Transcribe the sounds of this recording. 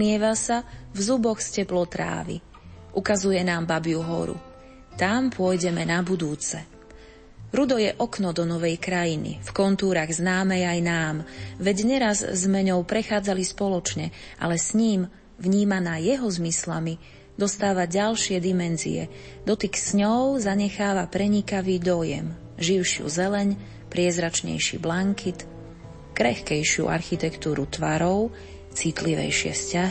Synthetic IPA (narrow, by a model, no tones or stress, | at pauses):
ɪɛʋasavzubɔxscɛplɔt̪ɾa̰ːʋḭ | ʔukazujɛnaːmbabijuɦɔ̰ɾṵ | t̪ampʊɔjɟɛmɛnabud̪uːt͡sɛ | ɾud̪ɔjɛʔɔknɔd̪ɔnɔʋɛjkɾajinḭfkɔnt̪uːɾaɣznaːmɛjajnaːmʋɛɟɲɛɾazzmɛɲɔʊpɾɛxaːd͡zalispɔlɔt͡ʃɲɛʔa̰lɛsɲiːm | ʋɲiːmanaːjɛɦɔzmislami | d̪ɔst̪aːʋaɟalʃɪɛd̪imɛnzḭɛ̰d̪ɔt̪iksɲɔʊzaɲɛxaːʋapɾɛɲikaʋiːd̪ɔjɛ̰m | ʒiʊʃɪṵzɛlɛɲ | pɾɪɛzɾat͡ʃɲɛ̰jʃḭblaŋkʰit̪ | kɾɛ̰xkɛjʃɪṵʔa̰ɾxit̪ɛkt̪uːɾut̪ʋaɾɔʊ | t͡sit̪liʋɛ̰jʃɪɛ̰fscaɦi